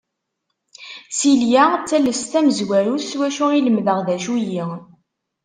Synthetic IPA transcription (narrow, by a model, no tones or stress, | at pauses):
siljat͡sːælːəst̪æməzwæɾuswæʃuiləmðəʁðæʃuji